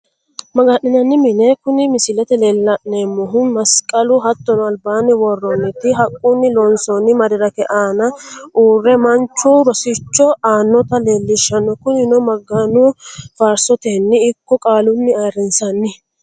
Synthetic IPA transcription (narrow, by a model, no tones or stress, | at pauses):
mɐɡanːɪnɐnːɪmɪnɛkʊnɪmɪsɪlɛt̪ɛleːlːɐʔneːmːɔɦʊnmɐskʼɐlʊɦɐt̪ːɔnɐlbaːnɪwɔrːɔnːɪt̪ɪɦɐkʼːunːɪlɔnsɔnɪmɐɾɪdɐkɛʔaːnɐʔuːrːɛmɐnt͡ʃːubɔsɪt͡ʃːɔaːnːɔt̪ɐle̞ːlːɪʃːɐnːɔkʊnɪnɔmɐɡːanʊfaːɾsɔt̪enːɪːkːɔkʼaːlʊnːɪaɾɪnsɐnːɪ